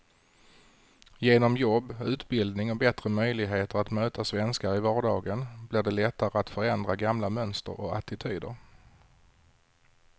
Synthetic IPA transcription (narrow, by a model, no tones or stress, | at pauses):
jeːnɔmjɔbːʉ̟ːt̪bɪld̪nɪŋɔbɛt̪ɾəmœjlɪɡɦeːt̪əɾat̪møːt̪ʰasvɛnskaɾɪvɑːɖɑːɡənblɪɖɛlɛt̪ːaɾəat̪fœɾɛnd̪ɾaɡamlamœnst̪ə̰ɾɔ̰a̰t̪ɪt̪ʰyːd̪ə̰ɾ